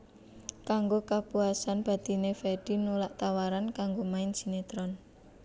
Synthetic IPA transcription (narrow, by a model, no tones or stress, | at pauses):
kaŋɡokapuasanb̥a̤d̪̥i̤nefɛɖ̥i̤nolaʔt̪awaɾankaŋɡomaɪn̥d͡ʒ̥i̤net̪ɾɔn